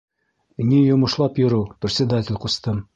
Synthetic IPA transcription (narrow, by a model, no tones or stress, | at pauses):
nʲijŏmŏʃlˠɑpjŏɾɤwprʲt̪sʲvʲɪd̪at̪ʲɪ̆lʲqust̪ɤm